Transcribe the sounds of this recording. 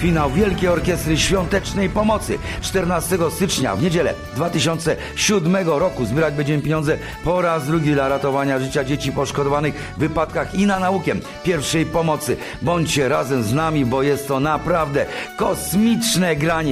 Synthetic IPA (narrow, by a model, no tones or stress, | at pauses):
fʲinawvʲjɛlkʲɛɔɾkʲɛst̪ɾɘɕfʲjɔnt̪ɛt͡ʂnɛjpɔmɔt̪sɘ̰t͡ʂt̪ɛɾnast̪ɛɡɔst̪ɘt͡ʂɲa̰vɲed͡ʑɛlɛ̰ | d̪vat̪ɘɕɔnt̪sɛ | ɕud̪mɛɡɔɾɔkuzbʲɛɾad͡ʑbɛɲd͡ʑɛmɘpʲeɲɔnzɛ | pɔɾazd̪ɾuɡʲid̪laɾat̪ɔvaɲaʐɘt͡ɕad͡ʑet͡ɕipɔʂkɔd̪ɔvanɘx | vːɘpat̪kaxinanaukʲɛm | pʲjɛɾfʂɛjpɔmɔt̪sɘ | bɔɲt͡ɕɕɛɾazɛmznamʲibɔjɛst̪ːɔnapɾavd̪ɛkɔsmʲit͡ʂnɛɡɾaɲɛ